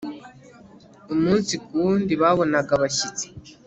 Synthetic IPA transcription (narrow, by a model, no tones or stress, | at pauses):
umuːnsikundiβaβo̞naɡaβaɕit͡se̥